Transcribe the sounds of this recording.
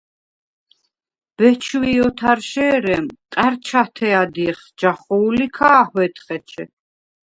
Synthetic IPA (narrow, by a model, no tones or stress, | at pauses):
b̥ɛt͡ʃʰwiɔt̪ʰaɾʃɛːɾɛmt̪ʼaɾt͡ʃʰat̪ʰɛad̪iɛχ | d͡ʒaχɔulikʰaːhwɛt̪ʰχɛt͡ʃʰɛ̰